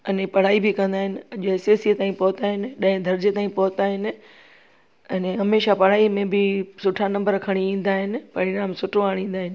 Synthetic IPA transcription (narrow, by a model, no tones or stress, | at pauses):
ɐnẽpɐɽ̤aːibʱɪkɐ̃nd̪aːɦɪnɪ̆ɐʄoeːseːsit̪ãːĩpɔɦʊt̪aːɦɪnɪ̆ɗɐ̃ɦɪ̃d̪ʱɐɾd͡ʑet̪aːĩpɔːt̪aːɦɪnɪ̆ | ɛnẽɦɐmeːʃapɐɽ̤aːimẽbɪsʊʈʰanɐ̃mbəɾkʰɐɽ̃iĩːn̆d̪aːɦɪnɪ̆pɐɾɪɾaːmsʊʈʰoaːɽ̃ĩːn̆d̪aːɦɪnɪ